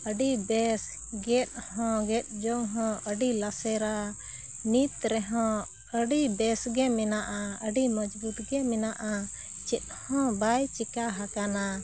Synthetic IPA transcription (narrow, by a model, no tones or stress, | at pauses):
əɖibɛs | ɡɛt̪̚hɔ̃ɡɛt̪̚ˀd͡ʒɔŋɦɔ̃ʔəɖilasɛɾa | nit̪ɾɛɦɔ̃ | əɖibɛsɡɛmɛnaʔaəɖimɔd͡ʒbut̪ɡɛmɛnaʔa | t͡ʃɛt̪̚ˀhɔ̃bajt͡ʃɛkaɦakana